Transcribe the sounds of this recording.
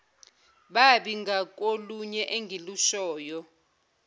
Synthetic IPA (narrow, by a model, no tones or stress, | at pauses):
ɓaɓiŋɡak̬ʼoluɲɛʔeŋɡʱiluʃɔːjɔ